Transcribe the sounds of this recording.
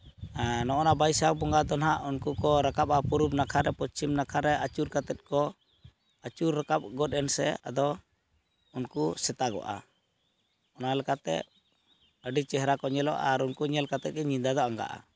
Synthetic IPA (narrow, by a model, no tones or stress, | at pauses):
anɔʔɔnabajsabɔŋɡad̪ɔnɦaʔunkukɔɾakap̚apuɾub̚nakʰaɾɛpɔt͡ʃimnakʰaɾɛʔat͡ʃuɾkat̪ɛt̪̚kɔ | at͡ʃuɾːakap̚ɡɔt̪̚ɛnsɛa̰d̪ɔ | unkusɛt̪aɡɔ̰ʔa̰ | ɔnalɛkat̪ɛ̰ | əɖit͡ʃɛɦɾakɔɲɛlɔ̰ʔaɾunkuɲɛlkat̪ɛt̪̚ɡɛɲind̪aɡɔaŋɡa̰ʔa̰